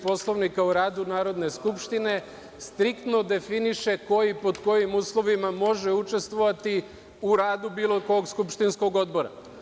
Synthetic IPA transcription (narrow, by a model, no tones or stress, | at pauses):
po̞slˠo̞ʋnikauɾaːd̪unaːɾo̞d̪ne̞skupʃt̪ine̞ | st̪ɾikt̪no̞d̪e̞finiʃe̞ko̞jipo̞d̪ko̞jimuːslˠo̞ʋimamo̞ʒeut͡ʃe̞st̪ʋo̞ʋat̪i | uɾaːd̪ubiːlˠoko̞ɡskupʃt̪insko̞ɡo̞d̪bo̞ɾa̰